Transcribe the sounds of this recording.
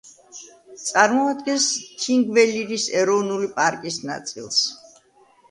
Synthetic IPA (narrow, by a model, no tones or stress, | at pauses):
t̪sʼaɾmɔad̪ɡɛnst̪ʰiŋɡvɛliɾisɛɾɔvnulipʼaɾkʼisna̰t̪sʼḭlˠs